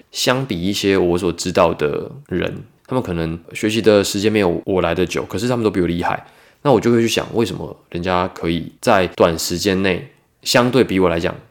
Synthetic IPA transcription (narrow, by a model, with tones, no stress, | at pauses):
ɕjɑ˥ŋpi˨˩i˥˩ɕjɛ˦wɔ˧˦s̬wɔ˨˩ʈ͡ʂɻ̩˥t̪ɑ˥˩ʊd̪ə̰˩ɻə̰˧˦nt̪ʰa˥mə˨nkʰɤ˨˩nə˧˦ŋɕɥɛ˧˥ɕi˧˥d̪ə˨ʂɻ̩˧t͡ɕjɛ˥nme˧ɪjo˧˩ʊwɔ˨˩la˧˦ɪd̪ə˧t͡ɕjo˨˩˦kʰɤ˨˩ʂ̬ɻ̩˥˩t̪a˥mə˨to˥pi˨˩ji˥˧xa̰˥˩ɪ | na˥˩wjo˥˩ʊkʰt͡ɕʰɕja̰˨˩ŋwḛ˥˩ɪʂə˧˦mə̰˧ɻə˧˦nt͡ɕja˦kʰɤ˧˥i˨˩t͡sa˥˩ɪt̪wa˨˩nʂɻ̩˧˥t͡ɕjɛ˥nne˥˩ɪ | ɕjɑ˥ŋt̪we˥˩ɪpi˧˥wɔ˨˩la˧˥ɪt͡ɕjɑ̰˨˩˦ŋ